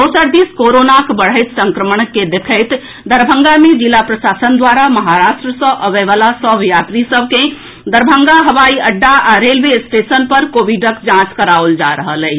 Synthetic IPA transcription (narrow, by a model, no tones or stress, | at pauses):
dosəɾd̪iskoɾonakbəɽ̤əjt̪səŋkɾəməɳked̪ekʰəɪt̪ | d̪əɾbʱəŋɡamed͡ʒilapɾəsasənd̪waɾaməɦaɾaʃʈɾəsə̃ʔəʋɛʋalasəbjat̪ɾisəb̚ʱkẽ | d̪əɾbʱəŋɡaɦəʋaiəɖːaʔaɾelʋesʈesənpəɾkoʋiɖəkd͡ʒãt͡ʃkəɾaold͡ʒa̰ɾəɦələ